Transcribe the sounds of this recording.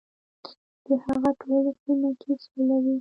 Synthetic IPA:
d̪̥əhaɣaʈʰolaxinakʰesolawi

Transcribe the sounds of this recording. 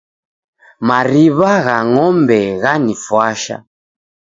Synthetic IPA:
maɾiβaɣaŋɔmbɛɣanifwaʃa̰

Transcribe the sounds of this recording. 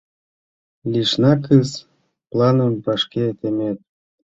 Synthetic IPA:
lʲiʃnɑkɨz | plˠɑnəmbɑʃket̪emet̪̚

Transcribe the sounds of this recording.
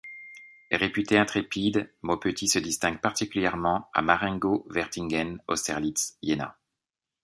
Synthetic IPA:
ʁepyt̪eɛ̃t̪χepid̪mopøt̪ʰisəd̪ist̪ɛ̃ŋɡpaʁt̪ikʲyljɛʁmɑ̃a̰maʁɛ̃ŋɡovɛʁt̪iŋɡɛnɔ̰st̪ɛʁlit̪sjena̰

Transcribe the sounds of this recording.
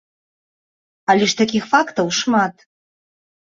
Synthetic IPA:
alʲeʂt̪akʲixfakt̪əwʂmat̪

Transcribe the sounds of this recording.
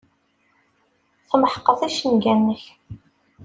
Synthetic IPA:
θəməħqːəθæʃənɡænːəç

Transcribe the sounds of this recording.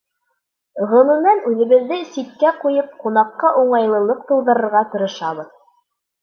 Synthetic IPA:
ʁɤ̆nɤ̆nænʉðɘ̆βɘ̆ðːɘsit̪̚kæqujɤp̚qunɑqːɑʔuɴɑjlˠɤ̆lˠɤq̚t̪ɤ̆lˠdɤ̆ɾɤ̆ɾʁɑt̪ŏɾŏʃɑβɤð

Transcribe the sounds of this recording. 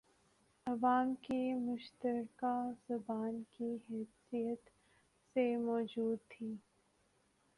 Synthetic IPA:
ɐʋaːmkimʊʃt̪əɾkazɐbaːnkiɦɛːsijət̪ | semɔːd͡ʒuːd̪̚t̪ʰiː

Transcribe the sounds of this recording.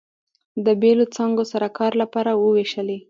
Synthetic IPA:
d̪əbelot͡sɑŋɡosaɾakɑɾlapɑɾawəweʃəle

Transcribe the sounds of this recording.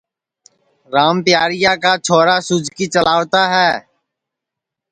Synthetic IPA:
ɾaːmpɪjaːɾɪjaːkaːt͡ʃʰoːɾaːsʊd͡ʒʱkiːt͡ʃəlaːʋt̪aːɦɛː

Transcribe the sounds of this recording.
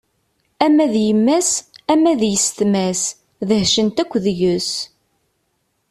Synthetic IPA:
æmæðjəmːæsæmæðjəst̪mæs | ðəhʃənt̪ækʷːðʝəs

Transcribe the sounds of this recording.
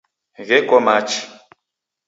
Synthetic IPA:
ɣɛkɔmat͡ʃi

